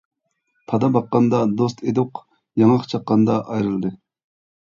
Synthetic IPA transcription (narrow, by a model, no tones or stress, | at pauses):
pʰɑd̪ɑbɑqːɑnd̪ɑd̪ost̪ʰed̪ʊq | jɑŋɑqt͡ʃʰɑqːɑnd̪ɑʔɑjɾɨlˠd̪ɨ